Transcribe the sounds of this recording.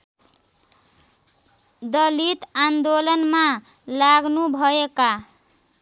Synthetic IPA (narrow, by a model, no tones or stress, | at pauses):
d̪ʌlit̪and̪olʌnma | laɡnubʱʌeka